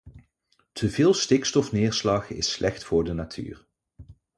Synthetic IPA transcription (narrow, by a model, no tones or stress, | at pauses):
tʰəvɪːlˠstɪkstɔfnɪːɹslɑχɪ̰slʔɛxtfʊːɹdənatʰy̰ːr